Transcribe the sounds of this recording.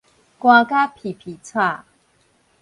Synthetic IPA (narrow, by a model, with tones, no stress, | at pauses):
kwã˧ka˦pʰi˨˩pʰi˨˩t͡sʰwa˥˧˨